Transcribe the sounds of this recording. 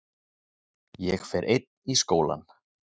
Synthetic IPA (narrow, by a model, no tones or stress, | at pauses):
jɛxfɛɾʔejt̪̚niskoːwla̰n